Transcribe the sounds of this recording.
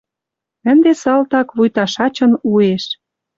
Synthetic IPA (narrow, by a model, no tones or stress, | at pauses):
ə̆nd̪esɑlt̪ɑkβujt̪ɑʃɑt͡ɕɤ̆nueʃ